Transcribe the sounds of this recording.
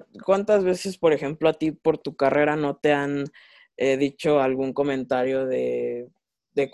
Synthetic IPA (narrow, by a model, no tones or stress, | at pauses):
kwant̪azβe̞se̞spo̞ɾe̞xe̞mploat̪ipo̞ɾt̪ukare̞ɾano̞t̪e̞an | eðit͡ʃo̞alɣuŋko̞mẽ̞nt̪aɾjo̞ðe̞ | ðek